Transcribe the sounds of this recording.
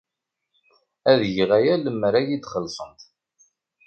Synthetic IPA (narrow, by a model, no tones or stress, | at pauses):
æðʝəʁæjæləmːɾæjid̪χəlːsˤənt̪